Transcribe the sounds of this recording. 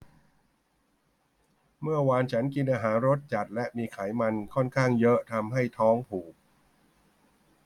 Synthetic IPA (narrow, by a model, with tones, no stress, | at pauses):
mɯ˥˩ɐwaː˧nt͡ɕʰa˦˥nki˧nʔaː˧ɦaː˩˦nɾo˦˥t̪̚t͡ɕa˨˩t̪̚lɛ˦˥ʔmiː˧kʰaː˩˦jma˧nkʰɔ˥˩nkʰaː˥˩ŋjɤ˦˥ʔt̪ʰa˧mɦa˥˩jt̪ʰɔː˦˥ŋpʰuː˨˩k̚